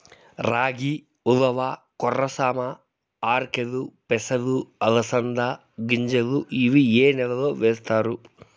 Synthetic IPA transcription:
ɾaːɡi | uðɐʋa | kɔrːɐsaːmɐ | aːɾkeðupɛsɐd̪uɐlɐsɐnd̪a | ɡiɲd͡ʒɐd̪uʔiʋieːnɛlɐloːʋeːst̪aːɾu

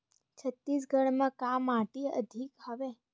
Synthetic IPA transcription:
t͡ʃʰət̪ːis̬ɡʱəɽmãkamaʈiə̰d̪ʱikhəʋe

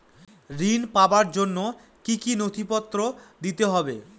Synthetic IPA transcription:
ɾinpabaɾd͡ʑonːo | kikinot̪ʰipɔt̪ːɾod̪it̪eɦɔbe

